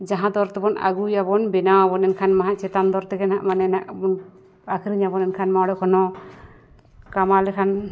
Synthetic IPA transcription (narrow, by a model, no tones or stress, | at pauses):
d͡ʒaɦãd̪ɔɾt̪ɛbɔna̰ɡujabɔnbɛnawabɔnɛnkʰanmaɦãʔt͡ʃɛt̪and̪ɔɾt̪ɛɡɛnaʔmanɛnaʔbɔn | akʰɾiɲabɔnɛnkʰanmaɔɽɛkʰɔnɔ | kamalɛkʰan